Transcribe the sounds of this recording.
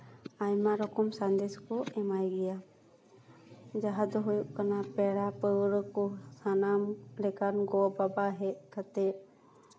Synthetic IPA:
ajmaɾɔkɔmsand̪eskɔɛmajɡɛja | d͡ʒaɦad̪ɔɦujuʔkanapɛɽapəwɾɔkɔsanamɾɛkaɾnɡɔbabaɦɛʔ̚kʰat̪ɛʔ

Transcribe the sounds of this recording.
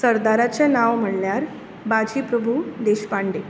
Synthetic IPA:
səɾd̪aɾat͡senaʋm̤əɳljaɾ | bad͡ʑiːpɾəbʱud̪eɕpaɳɖe

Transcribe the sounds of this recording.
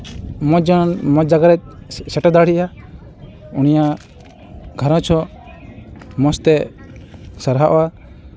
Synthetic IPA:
mɔd͡ʒɔnmɔd͡ʒaɡaɾɛt̪̚sɛʈad̪aɽiʔa | unija | ɡʱaɾɔ̃t͡ʃʰɔ | mɔst̪ɛ | saɾɦaʔɔwa

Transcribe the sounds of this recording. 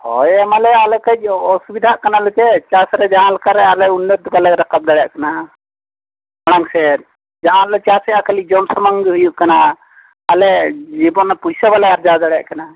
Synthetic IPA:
hɔ̰jɛmalɛalɛkəd͡ʒ̚ɔsubid̪ʱaʔkanalɔt͡ʃɛt͡ʃasɾɛd͡ʒaɦãlkaɾɛalɛunːət̪balɛɾakab̚d̪aɽja̰ʔkana | aɽ̃aŋsɛ | d͡ʒaʔãlɔt͡ʃasɛakəlid͡ʒɔmsamaŋɡɦujuʔkanaː | lɛd͡ʒibɔnapujsabalɛaɾd͡ʒad̪aɽja̰ʔkana

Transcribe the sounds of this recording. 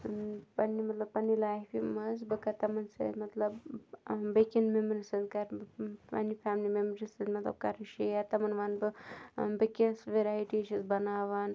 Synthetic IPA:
pɐnːimɐt̪lɐbpɐnːilaːɦfimɐzbɨkɐt̪ɐmɐnsɐ̰t̪mɐt̪lɐb | bəkinmemɾisɐzkɐɾpɐ̰nːifʰaːmlimemɾisɐzmɐt̪lɐ̰b̚kɐɾɨʃijat̪ɐmɐnʋanbɨbɐkʲisʋeɾaːjiʈiʃɐzbɐnaːʋaːn

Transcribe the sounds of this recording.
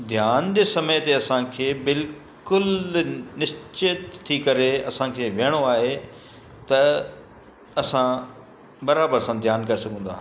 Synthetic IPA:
d̪ʱjaːnd͡ʑeːsɐməjt̪eɐsãkʰeːbɪl | kʊlnɪst͡ɕɪt̪ʰːikɐɾeɐ̰sãkʰeːʋeɽ̃oaːɦe | t̪ɐ | ɐsã | bɐɾaːbəɾsãd̪ʱjaːnkɐɾesɐɡʱə̃ːn̆d̪aː

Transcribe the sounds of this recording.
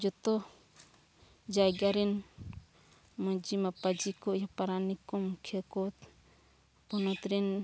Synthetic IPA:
d͡ʒɔt̪ɔ | d͡ʒajɡaɾɛn | mɔd͡ʒimapad͡ʒikɔʔjapaɾanikɔmkʰɛkɔt̪ | pɔnɔt̪ɾɛn

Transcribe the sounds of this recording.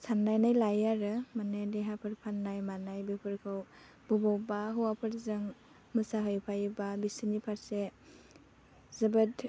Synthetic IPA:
sanːajnajlajaɾɯmanadiɦapʰɯɾpʰanːajmanajbipʰɯɾkʰɯw | b̥ɔbawbaɦɯwapʰɯɾzɯŋ | mɯsaɦɯjpʰajbabisinipʰaɾse | zɯbɯt

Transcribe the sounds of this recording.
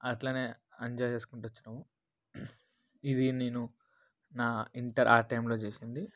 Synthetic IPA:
ɐʈlaːne̞ː | ɐɲd͡ʒɔːjt͡ʃe̞ːsu̥kuɳʈuʋɐt͡ʃːunaːmu | id̪ine̞ːnu | naːiɳʈɐɾʔa̰ːʈɐjmloːt͡ʃeːsind̪i

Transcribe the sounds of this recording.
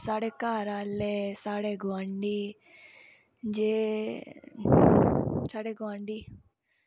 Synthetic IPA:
saːɽekaːɾaːlːesaːɽeɡoaɳɖi | d͡ʒe | t͡ʃaɽeɡoaɳɖi

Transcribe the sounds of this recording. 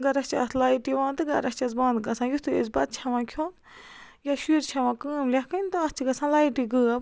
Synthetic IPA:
ɡɐɾɐst͡ʃa̰t̪ʰlaːiʈiʋãːnt̪ɨɡɐɾɐst͡ʃɐsbãːnd̪ɡɐsʰãːjut̪ʰuḛsbɐt̪̚t͡ʃʰɐʋãːkʰoːn | jaʃiːɾt͡ʃʰɐʋãːkɨːmlʲɐhkʰɐnt̪ɨɐst͡ʃʰiɡɐsʰãːlaːiʈiɡɨːɐb

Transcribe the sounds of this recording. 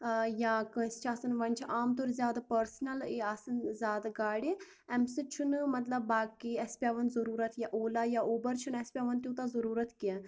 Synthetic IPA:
jaːkəst͡ʃʰaːsɐnʋɐnʲt͡ʃʰʔaːmt̪oɾzʲjaːd̪apəɾsnɐliaːsənzʲjaːd̪aɡaːɽi | ɛmsit͡ʃʰunmɐt̪lɐbːaːkiɛspiaːʋɐnzɐɾuːɾət̪jaʔoːlaːjaʔoːbəɾt͡ʃʰunɛspʲaːʋɐnt̪ʲũt̪azɐɾuːɾət̪kiɛ

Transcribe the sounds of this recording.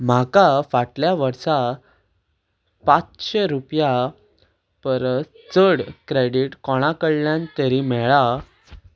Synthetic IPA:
m̤akafaʈljaʋəɾsa | pãt͡sɕeɾupja | pəɾ | t͡səɽkɾeɽiʈkɔɽ̃akəɭljãnt̪əɾimɛɭa

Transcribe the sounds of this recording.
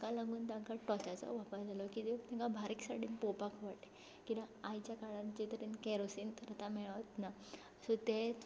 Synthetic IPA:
kalãŋɡuːnt̪ãŋkaʈɔt͡ɕat͡sɔ̰ʋapaɾd͡zʱalɔkit̪et̪ãŋkabʱaɾiksaʈinpopakʰʋaʈe | kid̪aajt͡ɕjakaɽãnt͡ɕit̪əɾinkɛɾosint̪əɾat̪amɛɭaʋt̪na | sɔt̪e

